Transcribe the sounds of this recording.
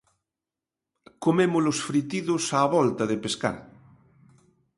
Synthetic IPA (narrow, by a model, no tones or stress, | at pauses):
komemʊlosfɾit̪iðʊsaːβɔlt̪ɐðepeska̰ɾ